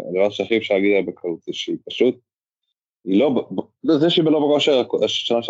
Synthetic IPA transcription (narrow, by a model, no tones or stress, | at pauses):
d̪avaʃeaχifʃaaɡid̪alabekʰalut̪eʃeipaʃut̪̚ | ilobb | zeʃeibelobekoʃeʁakaʃʃanaʃe